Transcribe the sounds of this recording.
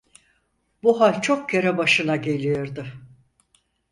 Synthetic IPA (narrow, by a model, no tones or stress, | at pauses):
buɦant͡ʃʰo̞k̚cʰeɾɛbaʃɯnaɟe̞lʲijoɾd̪ɪ